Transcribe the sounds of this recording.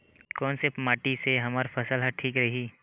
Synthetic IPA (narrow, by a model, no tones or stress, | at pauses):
kɔːnsemaːʈiseɦɐmaːɾpʰɐsəlɦɐʈʰiːkɾɐɦiː